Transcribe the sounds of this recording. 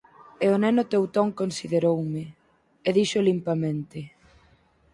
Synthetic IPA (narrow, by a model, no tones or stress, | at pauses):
eonɛnʊt̪ewt̪oŋkonsiðeɾowmɪ | eðiʃolimpamẽnt̪ɪ